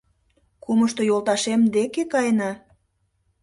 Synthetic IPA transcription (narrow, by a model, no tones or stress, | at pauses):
kuməʃt̪ojolˠt̪ɑʃemd̪ekekɑjnɑ